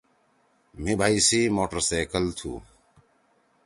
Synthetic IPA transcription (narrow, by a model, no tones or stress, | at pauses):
m̤ĩbʱaːisiːmoːʈəɾseːkəlt̪ʰṵː